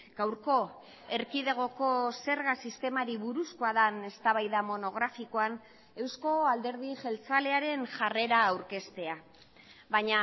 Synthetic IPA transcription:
ɡ̥awɾko̞ | e̞ɾkiðe̞ɣ̞o̞ko̞se̞ɾɣasist̪e̞maɾiβuɾuskoaðane̞st̪aβajðamo̞no̞ɣ̞ɾafiko̞an | e̞wsko̞ald̪e̞ɾð̞iʝe̞lt͡sale̞aɾe̞nʝare̞ɾaːwɾke̞st̪e̞a | βaɲa

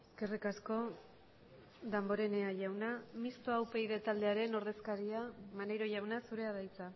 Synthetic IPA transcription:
eske̞rikasko̞ | ðambo̞ɾe̞ne̞aʝawnamist̪oawpe̞jðe̞t̪ald̪e̞aɾe̞no̞ɾðe̞skaɾiamanejɾo̞ʝawnasuɾe̞aðajt͡sa

